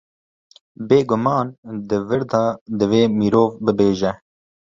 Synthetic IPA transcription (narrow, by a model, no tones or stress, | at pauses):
beːɡʊmɑːnd̪ɨvɨɾd̪ɑːd̪ɨveːmiːɾoːvbɨbeːʒɛ